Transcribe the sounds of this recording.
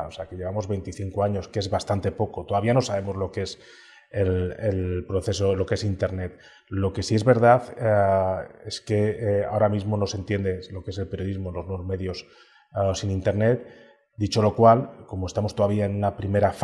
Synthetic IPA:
oseake̞ʎeβamo̞zβe̞jnt̪iθiŋkoaɲo̞skee̞zβast̪ant̪e̞po̞ko̞t̪o̞ðaβiano̞saβ̞e̞mo̞zlo̞kee̞s | elelpɾo̞θe̞so̞lo̞kee̞sint̪e̞ɾne̞t̪̚ | lo̞ke̞siezβe̞ɾð̞aθ | e̞ske̞a̰o̞ɾamizmo̞no̞se̞nt̪je̞nd̪elo̞kee̞se̞lpeɾjo̞ðizmolo̞znozme̞ðjo̞s | sinint̪e̞ɾne̞t̪̚ | d̪it͡ʃo̞lo̞kwalko̞moest̪amo̞st̪oðaβiaenunapɾime̞ɾaf

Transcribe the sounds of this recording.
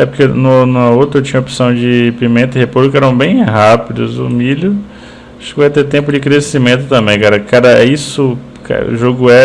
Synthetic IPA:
ɛpʊɾkenʊnũɐowt̪ɾɐewt͡ʃĩɲ̃ɐopi̥sɐ̃w̃d͡ʒɪpimẽnt̪ɐɪhepowzʊkɛɾɐ̃w̃bẽj̃ɦapid̪ʊzʊ̰milʊ | aʃʊkɪvajt̪et̪ẽpʊd͡ʒɪkɾesimẽnt̪ʊt̪ɐ̃mbẽj̃kaɾɐkaɾɐɛisʊ | ka̰ʒoɡʊɛ

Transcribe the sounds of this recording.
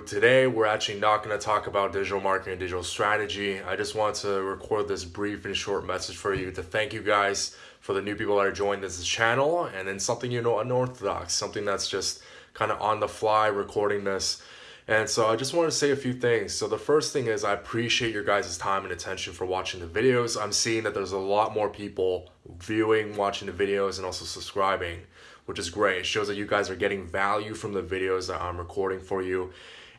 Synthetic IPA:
tʰɨɾeɪwɪɹæk̚t͡ʃʉl̩ˠinət̚ɡ̥ʌnɨtʰɔkəbaʊt̚d̥ɪd͡ʒɨəɾl̩ˠmɑɹkɨɾɨ̃ndɪd͡ʒɨɾl̩ˠstɹ̥æɾɨd͡ʒia̰ɪd͡ʒʌst̚wɑ̃ntʰɨɹɨkʰɔɹd̪̚ðɪsbɹifɨ̃nʃɔɹt̚mɛsɨd̥ʒ̥fə˞jɨɾɨθæ̃ŋkjɨɡaɪz̥ | fə˞ðɨnʉpipl̩ˠðəɾɨ˞d͡ʒɔ̃ɪ̃nðɪst͡ʃʰænl̩ˠɨ̃nðɨ̃nsʌ̃mθɪ̃ŋjɨnoʊə̃nɔɹθədɑ̰ksʌ̃mθɪ̃ŋðætsd̥ʒ̥ʌst̚ | kʰãɪ̃ndə̰ʔə̃nðəflaɪɹɨkʰɔɹɾɪ̃ŋðɪs | ʔɨ̃nsoʊaɪd͡ʒʌst̚wɑ̃ntʰɨseɪɨfjʉθɪ̃ŋz̥soʊðəfɜ˞st̪θɪ̃ŋɪzaɪɨpʰɹ̥iʃieɪt͡ʃə˞ɡaɪzɨz̥tʰãɪ̃mɨ̃nɨtʰɛ̃nʃɨ̃n̩fə˞wɑt͡ʃɪ̃ŋðɨvɪɾioʊzãɪ̃msiɪ̃ŋðɨt̪̚ðə˞zəlɔt̚mɔɹpʰipl̩ˠ | vjʉɪ̃ŋwɑt͡ʃɪ̃ŋðɨvɪɾioʊzɨ̃nɔlˠsoʊsəb̥skɹaɪbɪ̃ŋ | wət͡ʃɨzɡɹeɪtʃoʊzðɨt͡ʃjɨɡaɪzə˞ɡɛɾɪ̃ŋvælˠjʉ̥fɹʌ̃mðɨvɪɾioʊzðəɾã̰ɪ̃mɹɨkʰɔɹɾɪ̃ŋfə˞jʉ

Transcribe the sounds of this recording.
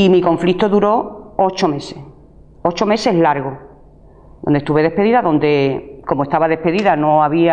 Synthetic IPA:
imikõ̞ɱflit̪oðuɾo̞o̞t͡ʃome̞ses | o̞t͡ʃo̞me̞se̞ɦlaɾɣo | d̪ond̪est̪uβe̞ð̞e̞hpeðiðaðõ̞nd̪e̞ko̞moe̞st̪aβaðe̞hpe̞ðiðano̞aβia

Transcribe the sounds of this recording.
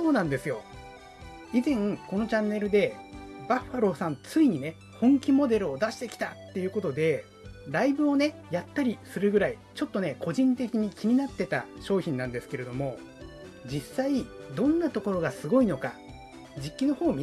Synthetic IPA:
o̞ːnãnd̪e̞sɨjo̞ | izẽ̞ŋko̞no̞t͡ɕãnːe̞ɾɯ̟d̪e̞baɸaɾo̞sãnt͡sɨiɲ̟ine̞ | hõ̞ŋkʲimo̞d̪e̞ɾɯ̟o̞d̪aɕi̥t̪e̞kʲi̥t̪at̪ːe̞jɯ̟ko̞t̪o̞d̪e̞ | ɾaibɯ̟o̞ne̞jat̪ːaɾʲisɨɾɯɡɯ̟ɾai | t͡ɕo̞t̪ːo̞ne̞kʰo̞ʑĩnt̪e̞kʲiɲ̟ikʲimʲinat̪ːe̞t̪aɕo̞ːçʲĩnãnd̪e̞sɨ̥ke̞ɾe̞d̪o̞mo̞ | d͡ʑisaid̪õ̞nːat̪o̞ko̞ɾo̞ɡasɨɡo̞ino̞ka | d͡ʑikʲːino̞ho̞ːmʲi

